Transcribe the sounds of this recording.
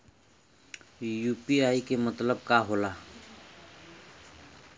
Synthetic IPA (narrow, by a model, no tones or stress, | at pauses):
juːpiaːikemət̪ləb̚kaːɦoːlaː